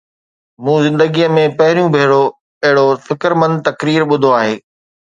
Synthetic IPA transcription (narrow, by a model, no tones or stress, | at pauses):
mũːzɪ̃nd̪əɡijəmẽpɐɦɪɾijũbʱeːɽo | ɐɦɪɽofɪkɾmə̃nd̪̚t̪ɐkɾiːɾɓʊd̪ʱoaːɦeː